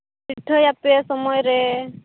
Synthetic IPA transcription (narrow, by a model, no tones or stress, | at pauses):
biʈʰːɔjapesɔmɔjɾe